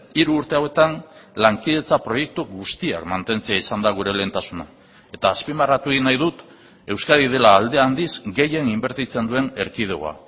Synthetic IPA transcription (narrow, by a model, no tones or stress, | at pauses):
iɾuːɾt̪e̞awe̞t̪anlaŋkið̞e̞t͡sapɾo̞je̞k̚t̪uɡust̪ia̰kmant̪e̞nt͡se̞aisand̪aɣ̞uɾe̞le̞ːnt̪asuna | e̞t̪aːspimarat̪uinajð̞ut̪ | e̞wskaðið̞e̞laːld̪e̞and̪izɡe̞je̞nimbe̞ɾt̪it͡se̞nd̪ue̞ne̞ɾkið̞eo̰a̰